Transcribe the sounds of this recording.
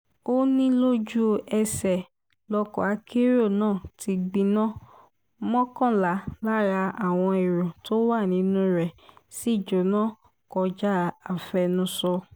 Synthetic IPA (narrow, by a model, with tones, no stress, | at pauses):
o˦nĩ˦lo˦d͡ʒu˦ɛ˧sɛ˨ | lɔ˧kɔ̰˨a˨˦kʰe˦ɾo˦˨nãː˦˨ti˧ɡ͡bĩ˧nã˦ | mɔ̃˦kã˦˨la˨˦la˦ɾa˧a˨w̃ɔ̃˧i˨ɾɔ̃˨to˦wa˦˨nĩ˨˦nũ˦ɾɛ˨si˦˨d͡ʒo˨nãː˦˨ | kɔ˧d͡ʒa˦a˨fɛ˧nũ˧sɔ˧